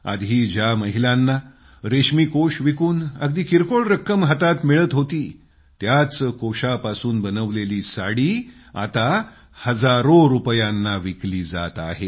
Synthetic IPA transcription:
a̰d̪ʱɦiːd͡ʑjaməɦilãnːa | ɾeɕmiːkoʂʋikuːnəɡd̪iːkiɾkoɭɾəkːəmɦət̪at̪miɭət̪ɦot̪iː | t̪jat͡skoɕapasuːnbənəʋleliːsaɽiː | a̰t̪a | həd͡zaɾoɾupjãnːaʋikliːd͡za̰t̪a̰ɦe

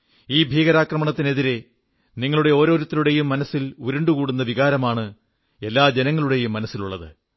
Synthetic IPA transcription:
iːbʱiːɣɐɾaːkrɐmɐɳɐt̪ːine̞ðiɾe̞ | niŋːɐɭuɽe̞o̞ːɾo̞ːɾut̪ːɐluɽe̞jumːɐnɐsːiluɾuɳɖukuːɽunːɐʋiɣaːɾɐmaːɳɨ | e̞lːaːd͡ʑe̞nɐŋːɐɭuɽe̞jumːɐnɐsːiluɭːɐðɨ

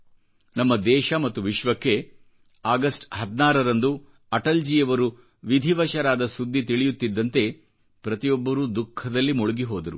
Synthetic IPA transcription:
nɐmːɐd̪ɛːʃɐmɐt̪ːuʋiʃʋɐkːe̞ | aːɡɐsʈɦɐd̪naːɾɐɾɐnd̪u | ɐʈɐld͡ʒijɐʋɐɾu | ʋid̪ʱiʋɐʃɐɾaːd̪ɐsud̪ʱːit̪iɭijut̪ːid̪ːɐnt̪e̞ | pɾɐt̪ijɔbːɐɾud̪ukʰːɐd̪ɐlːimuɭuɡiɦoːd̪ɐɾu

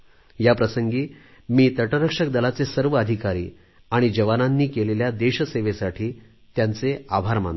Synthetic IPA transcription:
japɾəsəŋɡiː | miːt̪əʈəɾəkʂək̚d̪əlat͡sesəɾʋəəd̪ʱikaɾḭː | aɽ̃id͡ʑəʋananːiːkeleljad̪eɕseʋesaʈʰiː | t̪jant͡seabʱaɾmã̰n

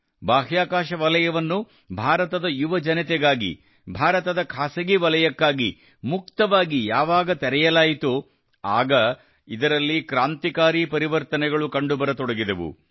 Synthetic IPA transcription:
baːɦjaːkaːʃɐʋɐlɐjɐʋɐnːu | bʱaːɾɐt̪ɐd̪ɐjuʋɐd͡ʒɐnɐt̪ɛɡaːɡḭ | bʱaːɾɐt̪ɐd̪ɐkʰaːsɐɡiʋɐlɐjɐkːaːɡḭ | muk̚t̪ɐʋaːɡijaːʋaːɡɐt̪ɛɾɛjɐlaːjit̪u | aːɡɐ | id̪ɐɾɐlːikɾaːnt̪ikaːɾipɐɾiʋɐɾt̪ɐnɛɡɐɭukɐɳɖubɐɾɐt̪ɔɽɐɡid̪ɐʋṵ

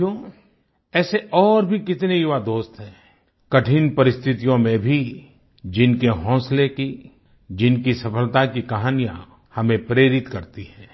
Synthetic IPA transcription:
õː | ɛːseʔɔːɾbʱikɪt̪nejuʋad̪oːst̪ɦɛ̃ː | kɐʈʰinpɐɾɪst̪ʰɪt̪ijõmẽbʱi | d͡ʒɪnkeɦɔ̃ːsleki | d͡ʒɪnkisɐfəlt̪akikaɦaːnijã̰ | hɐmẽpɾeːɾɪt̪kɐɾt̪iɦɛ̃ː

